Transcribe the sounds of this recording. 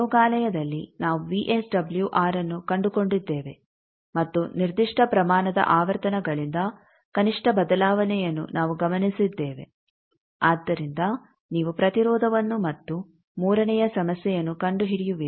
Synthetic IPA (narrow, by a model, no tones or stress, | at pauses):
ɔːɡaːlɐjɐd̪ɐlːinaːʋuʋiʔesɖɐbljuʔaːɾɐnːukɐɳɖuko̞ɳɖid̪ːeːʋe̞ | mɐt̪ːuniɾd̪iʂʈʰɐpɾɐmaːnɐd̪ɐ̰ʔaːʋɐɾt̪ɐnɐɡɐɭind̪ɐ | kɐniʂʈɐbɐd̪ɐlaːʋɐnɛjɐnːṵnaːʋuɡɐmɐnisid̪ːeːʋe̞̰ | aːd̪ːɐɾind̪ɐ | niːʋupɾɐt̪iɾɔːd̪ʱɐʋɐnːumɐt̪ːu | muːɾɐnɛjɐsɐmɐsjɛjɐnːukɐɳɖuɦiɽijuʋi